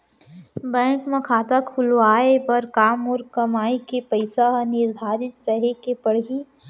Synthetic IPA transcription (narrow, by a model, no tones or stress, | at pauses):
bɛ̃ːŋkmẽkʰaːt̪akʰʊlʋaːepɐɾkaːmɔːɾkɐmaːikepəɪsaɦnɪɾd̪ʱaːɾɪt̪ɾɐɦekepɐɽ̤ɦi